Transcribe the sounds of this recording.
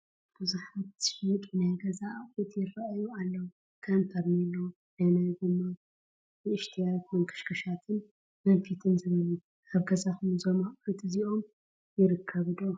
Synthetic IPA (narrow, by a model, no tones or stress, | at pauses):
b̥ɨzuħat̪ikʼinajɡɐzaʔafit̪jɪrɐʔajualːɐwu | kʰant̪ʰɐɾnilːo | najnajɡɨmːɐ | ɨɨʃt̪ʰijawt̪mɐŋkʰɐ̥ʃkʰɐʃat̪ʰɨn | mɐnfit̪ʰɨnzɨβɨlu | ʔaβɡɐzaxumzomaχʼojt̪ʼɨziʔo̞m | jɪɾɨkʰːɐβɨd̪o